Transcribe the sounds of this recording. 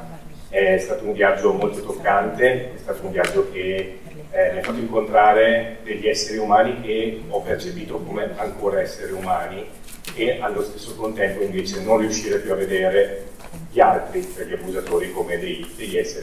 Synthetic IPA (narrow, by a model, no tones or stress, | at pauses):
ɛst̪aːt̪ouɱviad͡ʒːomolt̪ot̪okːant̪eɛst̪aːt̪ouɱviad͡ʒːok̟e | maafːat̪ːoiŋkont̪ɾaːɾed̪eʎːiɛsːeɾiumaːnikeɔpːert͡ʃepiːt̪okomeaŋkoːɾaɛsːeɾeumaːni | ealːost̪e̥sːokont̪ɛmpoiɱveːt͡ʃenonriuʃːiːɾepːjuavːed̪eːɾe | ʎialt̪ɾip̪eʎːiapːuzat̪oːɾikomed̪ejd̪eʎːɛsːeɾi